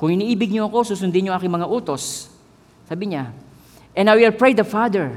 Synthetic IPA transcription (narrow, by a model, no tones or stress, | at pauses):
kʊŋʔɪniːʔiːbɪɡ̚ɲoɐko̞suːsʊnd̪ɪɲoʔaːkɪŋmɐŋaʔuːt̪o̞s | saːbɪɲa | ʔɛ̃nawɛlpɹɛjd̪ɐfad̪ɛɹ